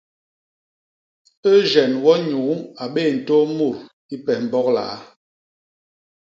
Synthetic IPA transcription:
ə˦d͡ʒɛ˨nwɔ˦ɲuː˨˦a˨ɓe˦˨n̩˨to˦mo˦˨ɾ | i˦pɛ˨m̩˨bɔ˦k̚la̰˨˦

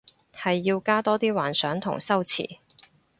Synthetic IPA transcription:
hɐ˨jːiː˧wkaː˥t̪ɔː˥t̪iː˥waː˨˩nsœː˨˥ŋt̪ʰʊ̰˨˩ŋsɐ˥wt͡sʰḭː˨˩

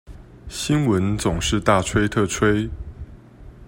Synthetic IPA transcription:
ɕi˦nwə˨˦nt͡sʊ˨˩ŋʂɻ̩˥˧t̪a˥˨ʈ͡ʂʰwe˥ɪt̪ʰɤ˥˧ʈ͡ʂʰwe˥ɪ

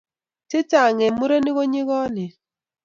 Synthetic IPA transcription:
tɪ˦ta˨ŋe˨mu˦ɾe˦ni˦ɣo˦ɲi˦ɣɔ˦nɪ˨

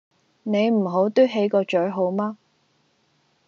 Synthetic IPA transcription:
ne˨˧jm̩˨˩ɦo˨˥wt̪ɵ˥ɦe˨˥jkɔː˧t͡ʃɵ˨˥ɥɦo˨˧˥wmaː˥

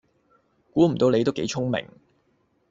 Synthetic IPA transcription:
kuː˨˥m̩˨˩t̪o˧wne˨˧jt̪o˥wke˨˥jt͡sʰʊ˥ŋmɪ̰˨˩ŋ

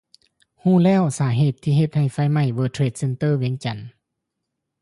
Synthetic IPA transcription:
huː˧˩˨lɛː˧˥˩wsaː˩˦ɦeː˧˩t̪ʰːiː˧ɦe˧˩t̪̚ha˧˩jfa˧˥˩jma˧˩jʋɤː˧t̪ʰɾe˧˩t̪̚se˧nt̪ɤː˧˥˨wi˧˦əŋt͡ɕa˨˩n

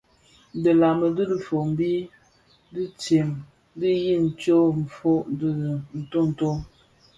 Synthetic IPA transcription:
də˨la˨mə˨dɨ˦lə˦fo˨m˦bi˦ | di˦t͡se˨m˦ | di˦ji˦˨n̩˨t͡ʃo˦m̩˨fo˦dɨ˦˨n̩˨to˦n̩˨to˦

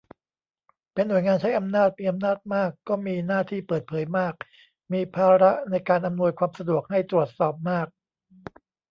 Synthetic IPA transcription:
pe˧nːu˨˩əjŋaː˧nt͡ɕʰa˦˥jʔa˧mnaː˥˩t̪̚miː˧ʔa˧mnaː˥˩t̪̚maː˥˩kːɔː˥˩miː˧naː˥˩t̪ʰiː˥˩pɤː˨˩t̪̚pʰɤː˩˦jmaː˥˩k̚ | miː˧pʰaː˧ɾa˦˥ʔna˧jkaː˧nʔa˧mnu˧əjkʰwaː˧msa˧du˨˩ək̚ha˥˩jt̪ɾu˨˩ət̪̚sɔː˨˩p̚maː˥˩k̚

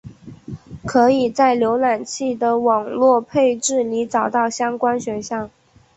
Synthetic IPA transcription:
kʰɤ˧˥i˨˩t͡sa˥˩ɪljo˧˥ʊla˨˩nt͡ɕʰi˥˩d̪ə˩wɑ˨˩ŋlwɔ˥˧pʰe˥˧ɪʈ͡ʂɻ̩˥˩ni˧˥t͡sɑ˨˩ʊt̪ɑ˥˩ʊɕjɑ˥ŋkwa˥nɕɥɛ˧˥nɕjɑ˥˩ŋ

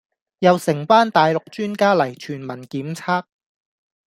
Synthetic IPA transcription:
jɐ˨˧wsɪ˨˩ŋpaː˥nt̪aː˨˧jlʊ˨k̚t͡ʃyː˥nkaː˥lɐ˨˩jt͡ʃʰyː˨˩nmɐ˨˩nkiː˨˥mt͡sʰaː˥k̚

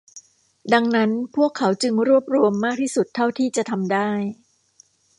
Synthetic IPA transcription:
da˧ŋna˦˥npʰu˥˩əkʰːa˩˦wt͡ɕɯ˧ŋɾu˥˩əp̚ɾu˧əmːaː˥˩k̚t̪ʰiː˥˩su˨˩t̪ʰːa˥˩wt̪ʰiː˥˩t͡ɕa˨˩t̪ʰa˧mdaː˥˩j

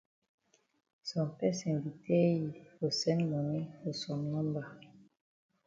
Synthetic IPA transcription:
sɔ̃˨pɛ˦sɛ̃˨nvi˨te˦i˨o˨sɛ̃˦nmo˨ne˦o˨sɔ˨mnɔ̃˦mba˨

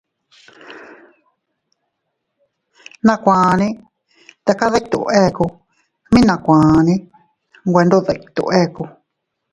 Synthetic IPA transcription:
nã˧kʷãː˨nĩ˦ | t̪a˧ka˦ða˦kt̪ṵ˨˧e˦˨˧ku˧ | mĩ˦nã˧kʷãː˨nĩ˦ | ŋɡʷe˧nd̪o˦ðe˧˨kt̪ṵ˧ʔe˦˨ku˧

